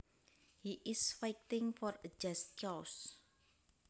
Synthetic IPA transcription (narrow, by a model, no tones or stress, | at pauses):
hiʔɪsfajtɪŋfɔrəd͡ʒast̚t͡ʃɔws